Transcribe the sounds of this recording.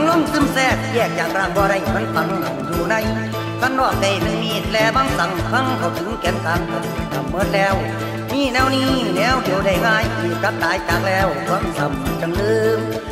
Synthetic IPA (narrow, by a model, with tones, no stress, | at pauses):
ŋlo˧˥˨ŋsɯ˧˥˨msɛː˧˩k̚jɛː˧˩k̚t͡ɕaː˨˩k̚ɾaː˧˩ŋbɔː˧ɾa˧˩jma˧˥˨nfa˧˦ŋha˨˩wjuː˧˩na˧˩˨j | kʰa˧˥˨nlɔː˧˩k̚ka˧˩jme˧˥˩nmi˧˩t̪̚lɛː˧˥baː˧˥˨ŋsa˨˦˥ŋkʰa˧˥˨ŋkʰa˧˩wt̪ʰɯ˨˦ŋkɛː˨˦nsaː˨˧˩ŋkɔ˨˧˩tt̪ʰa˨˩mːɤ˧˥˨n̚lɛː˧˩˨w | miː˧˥˨nɛː˧˥˨wniː˧˩˨nɛː˧˥˨wde˨˦wda˧˩jŋaː˧˩˨jkʰɯː˧˩ka˧˥t̚t̪aː˨˦jt͡ɕaː˨˧˥k̚lɛː˧˥˩wwa˧˥˨ŋsa˨˦m˧˩t͡ɕa˧˨ŋdɯː˧